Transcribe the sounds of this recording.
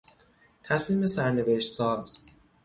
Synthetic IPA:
t̪ʰæsmiːme̞sæɾneveʃt̪sɒːz̥

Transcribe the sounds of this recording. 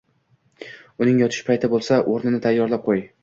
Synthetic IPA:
ʊnɪŋjɒt̪ʰɪ̥ʃpʰajt̪ʰɪbolˠsaʔoɾnɪnɪt̪ʰajːɒɾlˠap̚qʰoj

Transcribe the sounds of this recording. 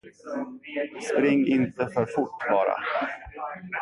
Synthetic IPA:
spɾɪŋːɪnt̪əfœɾfʊʈːbɑːɾa̰

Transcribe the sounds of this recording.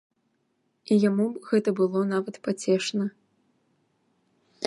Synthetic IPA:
ijamuɣɛt̪ɐbɨlˠɔnavɐt̪pat͡sʲɛʂnɐ

